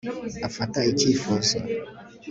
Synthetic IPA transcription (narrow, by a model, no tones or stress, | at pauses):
afatait͡ʃifɔsa̰